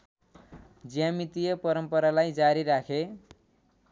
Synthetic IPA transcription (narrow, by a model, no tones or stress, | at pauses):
d͡zijamit̪ijʌpʌɾʌmpʌɾalajd͡zaɾiɾakʰe